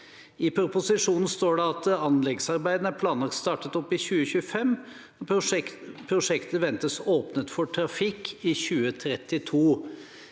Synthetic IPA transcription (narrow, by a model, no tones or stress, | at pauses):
ɪpʰɾʊpʊsɪʂuːnn̩st̪oːɖɛɑt̪ɑnlɛɡsɑɾbæɪd̪ən̩æɾpʰlɑːnlɑkst̪ɑːʈət̪ɔpːɪçʉːəɕʉːəfɛmː | pʰɾʊʂɛkt̪əʋɛnt̪əsoːpnət̪fɔʈʰɾɑfɪkːɪçʉːət̪ʰɾɛt̪ɪt̪ʰuː